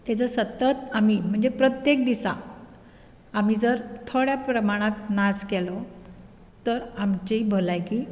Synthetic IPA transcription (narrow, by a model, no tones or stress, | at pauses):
t̪et͡səsət̪ət̪amim̤əɳd͡zepɾət̪jek̚d̪isa̰ | am̤iːd͡zəɾt̪ʰoɽjapɾəmaɽ̃ãt̪̚naskɛlɔ | t̪əɾamt͡ɕibʱolajkiː